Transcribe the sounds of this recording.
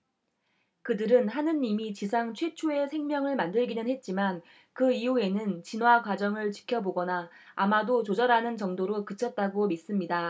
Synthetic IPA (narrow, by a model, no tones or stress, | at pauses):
kɯdɯɾɯnɦanɯnːimit͡ɕisʰaŋt͡ɕʰwe̞t͡ɕʰoe̞sʰeŋmjʌŋɯɭmandɯɭɡinɯnhet̚t͡ɕ͈iman | kɯiue̞nɯnt͡ɕinwakwad͡ʑʌŋɯɭt͡ɕi̥kʰjʌboɡʌnaːmadot͡ɕod͡ʑʌɾanɯnt͡ɕʌŋdoɾokɯt͡ɕʰʌt̚t͈aɡomis͈ɯmɲida